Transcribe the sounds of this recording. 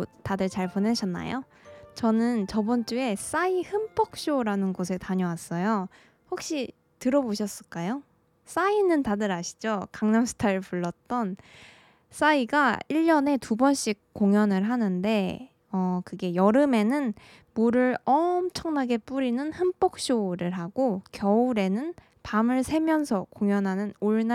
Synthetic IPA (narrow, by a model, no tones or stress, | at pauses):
tadɯɭt͡ɕaɭponeɕʰʌnːa̰jo | t͡ɕʌnɯnt͡ɕʌbʌnt͡ɕ͈ue̞s͈aihɯmp͈ʰʌk̚ɕ͈oɾanɯnɡosʰe̞taɲʌwas͈ʌjo | hok̚ɕ͈i | tɯɾʌboɕʰʌs͈ɯɭk͈ajo | s͈ainɯntadɯɾaɕʰi̥d͡ʑokaŋnamsʰɯ̥tʰaɯpuɭːʌt̚t͈ʌn | s͈aiɡaiʎːʌne̞tubʌnɕ͈ik̚k͈oŋjʌnɯɭɦanɯnde̞ | ʌkɯɡe̞jʌɾɯme̞nɯn | muɾɯɭʌmt͡ɕʰʌŋnaɡe̞p͈uɾinɯnhɯmp͈ok̚ɕ͈oɾɯɭɦaɡ̥okjʌuɾe̞nɯn | pamɯɭsʰe̞mjʌnsʰʌkoŋjʌnɦanɯnoɭna